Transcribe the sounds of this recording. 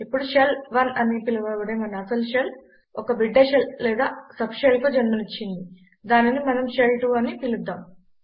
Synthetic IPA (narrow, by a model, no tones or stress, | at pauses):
ipːuɽuʃelʋɐnɐnipilɐʋɐʋɐɽemɐnɐɐsɐlʃel | ɔkɐbiɖːeːʃellɛːd̪aːsɐpʃelkud͡ʒɐnmɐnit͡ʃːind̪i | d̪aːninimɐnɐmʃelʈuːɐnipilud̪ːaːm